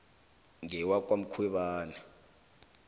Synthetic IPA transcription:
ŋɛwak̬ʼwam̩kʰwɛɓaːna

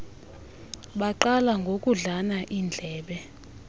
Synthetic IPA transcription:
ɓaǃalaŋɡʱokʼuɮanaʔind͡ɮʱɛːɓɛ

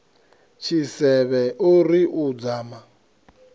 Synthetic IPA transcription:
t͡ʃʰisɛβɛʔuɾiʔud͡zaːma

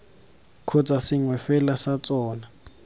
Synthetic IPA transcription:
kʰɔt͡sʼasɪŋwɛfɛlasat͡sʼɔːna

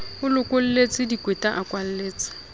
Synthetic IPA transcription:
ʊlʊkʼʊl̩let͡sʼɪdikʼwetʼaʔakʼwal̩leːt͡sʼɪ̥

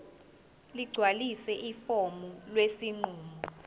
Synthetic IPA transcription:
liɡ͡ǀʱwalisɛʔifomulwesiŋ͡ǃuːmɔ

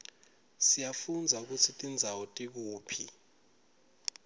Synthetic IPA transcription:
sijafund͡zʱauk̬ut͡sʰitʼind͡zʱawɔtʼik̬uːpʰi

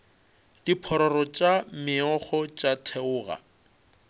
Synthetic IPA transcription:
d̥ipʰɔɾɔrɔt͡ʃʼamɪɔχɔt͡ʃʼatʰɛʊːɣa̰

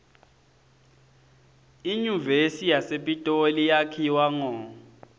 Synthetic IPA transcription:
iɲuvesijasepʼitʼolijakʰiwaŋɔː

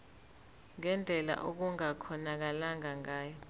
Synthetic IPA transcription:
ŋɛnd͡ɮʱɛla̰ʔok̬uŋakʰɔnak̬alaŋaŋaːjɔ

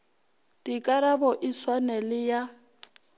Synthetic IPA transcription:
d̥ikʼaɾabɔʔiswanɛlɪja

